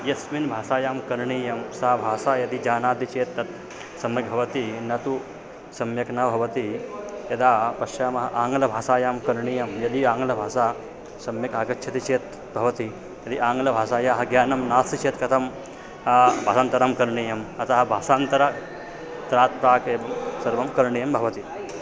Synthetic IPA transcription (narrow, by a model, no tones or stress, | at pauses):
jɐsminbʱaːsaːjaːmkɐɾɳiːjɐmsaːbʱaːsaːjɐd̪id͡ʒaːnaːd̪it͡ʃeːt̪ːɐt̪ | sɐmjɐk̚bʱɐʋɐt̪inɐt̪u | sɐmjɐknɐbʱɐʋɐt̪ijɐd̪aːpɐʃjaːmɐɦɐʔaːŋɡlɐbʱaːsaːjaːmkɐɾɳijɐmjɐd̪iaːŋɡlɐbʱaːsaː | sɐmjɐkaːkɐkʃʰɐt̪it͡ʃeːt̪̚ | bʱɐʋɐt̪i | jɐd̪iʔaːŋɡlɐbʱaːsaːjaːɦɐɡjaːnɐmnaːsit͡ʃeːt̪kɐt̪ʰɐm | bʱaːsaːnt̪ɐɾaːmkɐɾɳiːjɐmɐt̪aːɦɐbʱaːsaːnt̪ɐɾa | t̪ɐɾaːt̪̚pɾaːkeːʋɐmsɐɾʋɐmkɐɾɳijɐmbʱɐʋɐt̪i